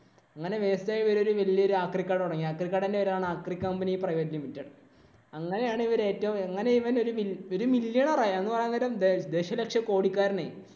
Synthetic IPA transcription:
ɐŋːɐne̞ʋeːst̪aːjʋɐɾo̞ɾuʋɐlijɐo̞ɾuaːkrikʲːaːɽuɽɐŋːiaːkrikʲːaːɽindeʋɐɾaːɳɨaːkrikːɐmbɐniprɐjelimitːɐɽɨ | ɐŋːɐne̞jaːɳɨiʋɐɾe̞ːtːɐʋumɐŋːɐne̞iʋɐno̞ɾumio̞ɾumiljɐɳɐraːjenːɨpɐrɐjːnːɐlɐmd̪eːɕɐlɐkʂjɐko̞ːɽikʲːaːɾnḛ

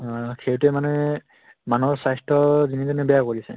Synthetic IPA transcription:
kʰeɹtɛmanɛ | manɔɹsajstʰɔzinitɛnɛbɛjakoɹisɛ̰

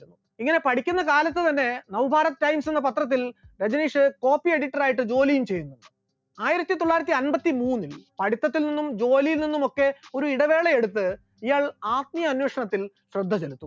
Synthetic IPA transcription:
unːu | iŋːɐne̞pɐɽikʲːunːɐkaːlɐt̪ːɨt̪ɐnːe̞nɐwbʱaːɾɐt̪ːtɐjmsenːɐpɐt̪rɐt̪̬ːilɾed͡ʑɐniːʂɨko̞ːpːie̞ɽiʈːɐɾaːjiʈːɨd͡ʑo̞ːlijumt͡ɕe̞jːunːuɳɖɨ | aːjiɾɐt̪ːit̪o̞ɭːaːjɾɐt̪ːiɐnbɐt̪ːimuːnːilpɐɽit̪ːɐt̪ːilninːumd͡ʑo̞ːlijilninːumo̞kːe̞o̞ɾuiɽɐʋe̞ːɭeeɽut̪ːɨ | ijaːɭaːt̪̚mijɐɐnweːʂɐɳɐt̪ːil | ɕrɐd̪ʱːɐt͡ɕelut̪ːu

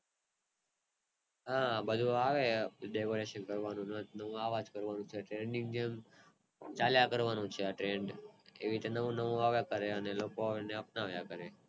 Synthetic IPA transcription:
ɦãbəd̪ʱũaʋeɖekoɾeʃənkəɾʋanũnənəʋũaʋad͡ʒkəɾʋanũt͡ʃʰeʈɾeɳɖĩŋɡd͡ʒem | t͡ʃaljakəɾʋanũt͡ʃʰeaʈɾeɳɖḛʋiɾit̪enəʋũnəʋũaʋjakəɾeənelokoaʋneəpnaʋjakəɾe

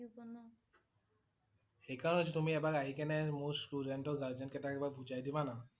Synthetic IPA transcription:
xejkaɹɔnɦositumiɛbaɹaɦikɛnɛmuɹstudɛntɔɡaɹzɛnkɛtakɛbabʱud͡ʒajdibana

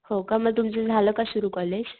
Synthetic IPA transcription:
hokaməɡ̚t̪̬umt͡sed͡zʱaləkasuɾuːkɔled͡ʑ

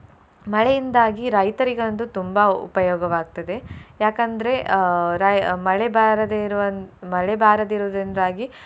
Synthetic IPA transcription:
mɐɭejind̪aːɡiɾɐjt̪ɐɾiɡɐɐnd̪ut̪umbɐṵpɐjɔːɡɐʋaːɡ̚t̪ɐd̪e̞jaːkɐnd̪ɐɾe̞ɾamɐɭebʱaːɾɐd̪eɾʋɐnmɐɭebʱaːɾɐd̪iɾud̪ind̪aːɡi

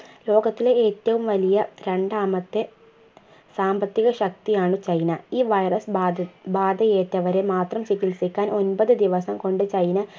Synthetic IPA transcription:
lo̞ːɡɐt̪ːileeːtːɐʋumʋɐlijɐɾe̞ɳɖaːmɐt̪ːe̞ | saːmbɐt̪ːiɣɐɕɐk̚t̪ijaːɳɨt͡ɕɐjnɐiːʋɐjrɐsbaːd̪ɐjeːtːɐʋɐɾe̞maːt̪rɐmt͡ɕikːilsikʲːaːnʔo̞nbɐðɨd̪iʋɐsɐmko̞ɳɖɨt͡ɕɐjnɐ

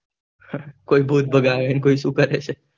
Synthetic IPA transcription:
ãkoibʱuːt̪̚bəɡaʋenkoisukəɾet͡ʃʰe

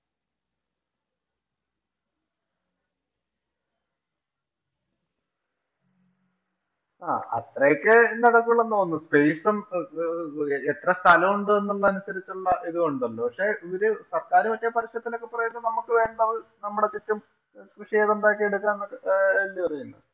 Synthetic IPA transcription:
a̰ːɐ̰t̪rɐjokːenɐɽɐkːuɭːɐnːoːnːuspe̞ːsɐm | et̪rɐst̪ʰɐlɐmuɳɖɨenːuɭːɐɐnusɐɾit͡ɕːuɭːɐʔiðukoɳɖɐlːo̞ːpɐkʂe̞ʔiɾɨsɐrkaːɾumɐkːepɐɾiɕɐt̪ːino̞kːepurɐjnːɐnɐmːukːɨʋe̞ːɳɖɐʋɨnɐmːuɽe̞t͡ɕitːum | kɾuʂieːðoɳɖaːkːieɽukːaːnnːokːlːipɐrɐjulːɐ̰

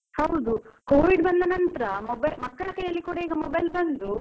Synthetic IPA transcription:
hɐwd̪ukoːʋiɖbɐnd̪ɐnɐnt̪ɐɾɐmobɐjlmɐkːɐɭɐkɐjɐlːikuːɽɐiːɡɐmobɐjlbɐnd̪u

